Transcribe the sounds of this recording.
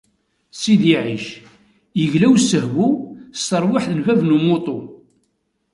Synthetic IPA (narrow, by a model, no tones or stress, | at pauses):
siðiʕiʃ | jəʝlæwsːəɦwust̪əɾˤwaħðəlvævnumːot̪ˤo